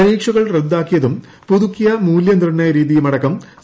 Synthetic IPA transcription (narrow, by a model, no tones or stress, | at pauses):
ɐɾiːkʂɐɣɐɭred̪ːaːkːijɐðum | puðukːijɐmuːljɐnd̪irɳnːɐjɐɾiːðijumɐɽɐkːɐm